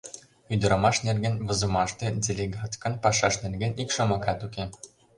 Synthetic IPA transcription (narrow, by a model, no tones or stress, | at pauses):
yd̪ɤ̆ɾɤ̆mɑʃnerɡĕnβɤ̆zɤ̆mɑʃt̪ĕdʲelʲeɡɑt̪kɤ̆npɑʃɑʃnerɡʲɘ̆nikʃɤ̆mɤ̆kɑt̪uke